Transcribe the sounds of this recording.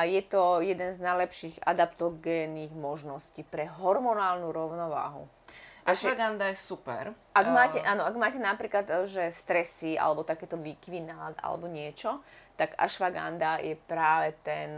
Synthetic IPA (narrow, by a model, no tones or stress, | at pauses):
jɛt̪ɔjɛd̪ɛnznajlɛpʃiːɣa̰d̪apt̪ɔɡɛːnːiːɣmɔʒnɔscipɾɛɦɔɾmɔnaːlnuɾɔʊnɔʋa̰ːɦṵ | ʔaʃaɡand̪ajɛsupɛ̰ɾ | ʔaɡmaːcɛʔaːnɔaɡmaːcɛnapɾiːklat̪ʒɛst̪ɾɛsia̰lɛbɔt̪akɛːt̪ɔʋikʋinaːd̪a̰lɛ̰bɔɲɪɛt͡ʃɔt̪aɡa̰ʃʋaɡa̰nd̪ajɛpɾaːʋɛt̪ɛn